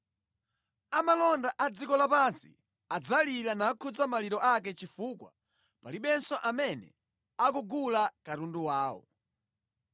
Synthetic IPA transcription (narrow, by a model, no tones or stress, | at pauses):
amalɔndaʔad͡zikɔlapansḭ | ad͡zalilanaːkʰud͡zamaliɾɔʔakɛt͡ʃifukwa̰ | paliɓɛnsɔʔamɛnɛ̰ | akuɡulakaɾunduwaːwɔ̰